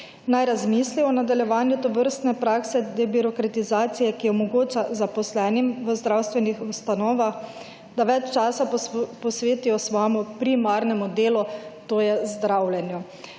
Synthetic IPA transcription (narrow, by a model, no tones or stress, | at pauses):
najɾazmisliɔnad̪aljɛʋaːnjut̪ɔʋəɾst̪nɛpɾaksɛd̪ɛbiɾɔkɾat̪izaːt̪sijɛkiɔmɔɡoːt͡ʃazapɔslɛːnimʋəzd̪ɾawst̪ʋɛnixust̪anɔːʋax | d̪aʋɛt͡ʃt͡ʃaːsapɔsʋeːt̪ijɔsʋaːmɔpɾimaːɾnɛmud̪eːlut̪oːjɛzd̪ɾawljɛnju